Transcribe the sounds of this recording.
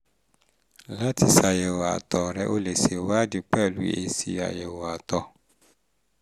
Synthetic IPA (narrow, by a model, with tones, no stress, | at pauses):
la˦ti˧sa˨jɛ˨wɔ˨a̰˨tɔ˨ɾɛ˧ʔo˦le˨se˨wa˦di˧k͡pɛ˦˨lṵ˨˦ḛ˧si˧˦a̰˨jɛ˨wɔ˨a˨tɔ˧˦